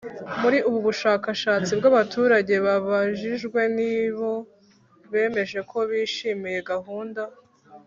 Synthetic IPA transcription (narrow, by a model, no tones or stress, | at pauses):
muɾiʔuβuβuʃaːkaʃaːt͡sibɡaβatʰuːɾaɟe̞βaβaʒiʒɡwe̞niβo̞ | βe̞ːme̞ʒe̞kʰo̞βiːʃiːmije̞ɡaɦuːnda